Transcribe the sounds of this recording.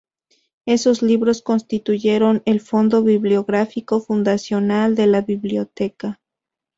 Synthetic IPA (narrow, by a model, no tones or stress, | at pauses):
e̞so̞zliβɾo̞sko̞nst̪it̪uʝe̞ɾo̞ne̞lfo̞nd̪o̞βiβljo̞ɣɾafiko̞fund̪asjo̞nald̪e̞laβiβljo̞t̪e̞ka